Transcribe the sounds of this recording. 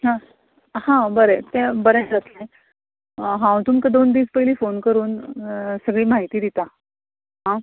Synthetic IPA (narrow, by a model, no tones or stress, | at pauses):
ɦã | hãbəɾet̪ẽbəɾẽd͡zat̪le | ɦãw̃t̪umkad̪ond̪iːspəɦiliːfonkəɾuːnsəɡɭiːmaɦit̪iːd̪it̪a | ɦã